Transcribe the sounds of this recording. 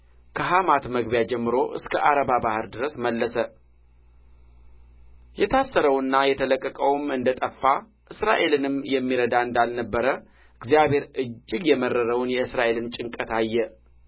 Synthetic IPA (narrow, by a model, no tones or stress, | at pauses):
kʰəɦamat̪məɡbjad͡ʒɛmːɨɾo̞ʔɨ̰skʰəʔaɾəbabahɨɾd̪ɨɾəsməlːəsə | jɛt̪ʰasːəɾəwɨnːajɛt̪ʰələkʼːəkʼəwmɨnd̪ət̪ʼəfːa | ʔɨsɾa̰ʔe̞lɨnɨmjɛmːiɾəd̪aɨnd̪alnəbːəɾə | ɨɡzijaβe̞ɾɨd͡ʒːɪɡjɛmərːəɾəwnjɛɨsɾaʔe̞lɨnt͡ʃʼɪŋkʼət̪ajːɛ